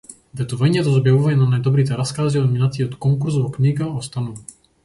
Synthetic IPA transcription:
vɛt̪uvɛɲɛt̪ɔzɔbjɛuvajnanajd̪ɔbɾit̪̬ɛɾaskaːziɔnminat͡siɔt̪kɔŋkuɾzɔɔkɲiɡaɔst̪anu

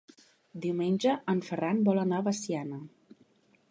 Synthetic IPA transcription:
d̪iwmenʲʒəʔəɱfəranbɔlənaβəsianə

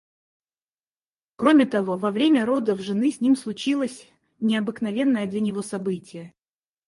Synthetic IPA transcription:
kɾo̞mʲɪt̪ɐvo̞vɐvɾʲemʲəɾo̞d̪əvʐɨnɨsʲnʲimslˠʊt͡ɕilˠəsʲ | nʲɪɐbɨknɐvʲe̞nːəjəd̪lʲɐnʲɪvo̞sɐbɨtʲɪjə

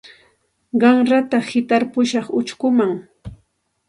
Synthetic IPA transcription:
ɢɑŋɾat̪ahɪt̪aɾpʊʃɑχʊt͡ʃkʊmaŋ

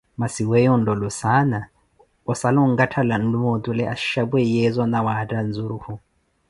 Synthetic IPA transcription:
masiwɛjɔndɔlusana | ɔsalɔŋɡatʰalan̩lumotʼulɛaʃabwɛjɛzɔnawatʼand͡zuɾuhu

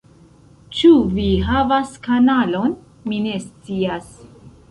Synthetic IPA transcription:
t͡ʃuviɦavaskanalo̞n | mine̞st͡sias

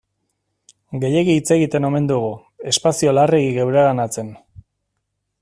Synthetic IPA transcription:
ɡe̞je̞ɣiːt͡se̞ɣit̪e̞no̞me̞nd̪uɣ̞u | e̞spasio̞lareɣiɣewɾeɣanat͡se̞n

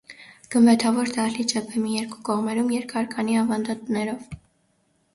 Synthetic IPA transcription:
ɡ̥əmbɛt̪ʰɑvɔɾd̪ɑɾlit͡ʃʰɛpʰɛmijɛɾku̥kɔʁmɛɾumjɛɾkʰɑɾkʰɑniɑvɑnd̪ɑt̪nɛɾɔv

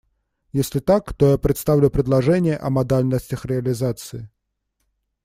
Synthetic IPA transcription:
jɛsʲlʲit̪akt̪ɔjapɾɛt̪st̪awlʲupɾʲɨd̪lˠaʐɛnʲɪjɛʔɐmad̪alʲnɐsʲtʲɐxrɛɐlʲizat̪sɨji

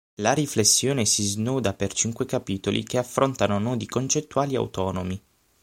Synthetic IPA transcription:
laɾiflesːjoːnesiznuːd̪apert͡ʃiŋkwekapiːt̪olʔḭkeafːɾont̪anonɔːd̪ikont͡ʃet̪ːuaːlia̰w̰t̪ɔːnomi

